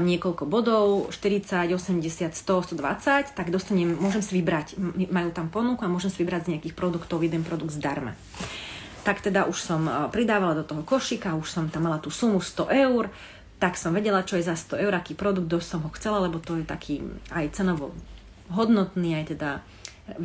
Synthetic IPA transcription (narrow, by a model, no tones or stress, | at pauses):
mɲɪɛkɔʎkɔbɔd̪ɔʊʃt̪iɾit͡saɟɔsɛmɟɛsɪat̪st̪ɔst̪ɔd̪ʋa̰t͡sact̪aɡd̪ɔst̪aɲɛmːʊɔʒɛmsaʋibɾacːimajuːt̪ampɔnukuamʊɔʒɛmsaʋibɾaɟzɲɛakiːxpɾɔd̪ukt̪ɔʊjɛd̪ɛnpɾɔd̪uɡd̪zd̪aɾma̰ | t̪akt̪ɛd̪aʔuʃsɔmpɾid̪aːʋalad̪ɔt̪ɔɦɔkɔʃikauʃsɔmt̪amːalat̪uːsumust̪ɔʔɛʊɾ | t̪aksɔmʋɛɟɛlat͡ʃɔjɛzast̪ɔɛʊɾakiːpɾɔd̪uɡ̪̚d̪ɔsɔmɦɔxt͡sɛlalɛbɔt̪ɔjɛt̪a̰kʰiːajt͡sɛnɔʋɔ̰ | ɦɔd̪nɔt̪niːajt̪ɛd̪a